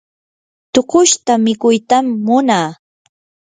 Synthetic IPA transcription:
t̪oqʊʃt̪amɪkʊjt̪amːʊnaː

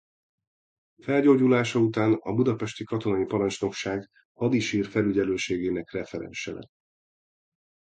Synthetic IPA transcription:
fɛlɟoːɟulaːʃɒut̪aːnɒ̰bud̪ɒpɛʃt̪ikɒt̪o̞nɒjipɒɾɒnt͡ʃno̞kʃaːɡ | hɒd̪iʃiːrfɛlyɟɛløːʃeːɡeːnɛkrɛfɛɾɛ̰nʃɛlɛ̰

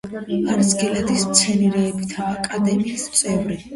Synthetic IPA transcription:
aɾsɡɛlad̪ist̪sʰɛniɾɛːbit̪ʰaːkʼad̪ɛmiːst̪sʼɛvɾi

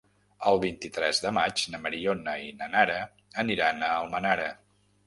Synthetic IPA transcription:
əlˠβint̪it̪ɾɛzðəmad͡ʒnəməɾionəinənaɾə | əniɾanəəlˠmənaɾə

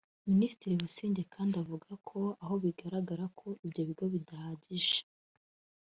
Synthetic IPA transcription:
minisi̥tiɾiβusiːɲɟe̞kʰaːndavuɡakʰo̞aɦo̞βiɡaɾaɡaɾakʰo̞ibɟoβiɡoβidahaɟiʒe̥

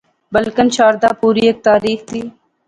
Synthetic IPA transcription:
bəlkənt͡ʃaːɾd̪aːpuːɾiːeːk̚t̪aːɾiːxt̪ʰiː

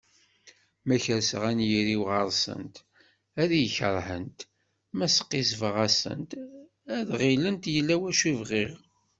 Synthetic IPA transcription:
mæçəɾsəʁænjiɾiwʁəɾˤsə̰nt̪ | æðijəçəɾˤhənt̪ | mæsə̥qːisvəʁæsə̰nt̪ | æðʁilənt̪jəlːæwæʃuvʁiʁ

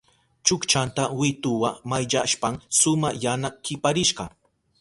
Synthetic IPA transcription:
t͡ʃʊkt͡ʃant̪awɪt̪ʊwamajʎaʃpaŋsʊmajanakɪpaɾɪʃɢɑ

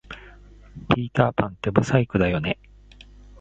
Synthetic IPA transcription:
pʲiːt̪aːpãnt̪e̞bɯ̟saikɯ̟d̪ajo̞ne̞

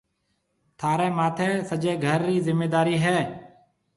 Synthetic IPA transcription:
t̪ʰaːɾeːmaːt̪ʰeːsəd͡ʒeːɡʱəɾːiːzɪmːeːd̪aːɾiːɦɛː

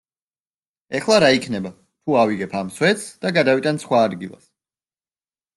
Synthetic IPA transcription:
ɛχlˠaɾaikʰnɛba | t̪ʰuaviɡɛpʰamswɛt̪sd̪̥aɡad̪avit̪ʼansχwaːd̪ɡilˠa̰s

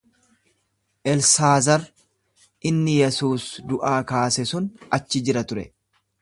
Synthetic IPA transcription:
ʔɛlsaːzɐɾ | ʔɪnːɪjɛsuːsd̪ʊʔaːkaːsɛsʊnɐt͡ʃːɪd͡ʒɪɾɐt̪ʊɾɛ̰

